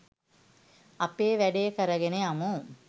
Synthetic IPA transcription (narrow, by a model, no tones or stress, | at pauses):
apeːʋæɖejəkəɾəɡeneamu